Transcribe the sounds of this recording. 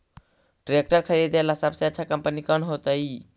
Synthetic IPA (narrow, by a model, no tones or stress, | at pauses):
ʈɾek̚ʈəɾkʰəed̪elasəbseətːt͡ʃʰakəmpənikənɦot̪əj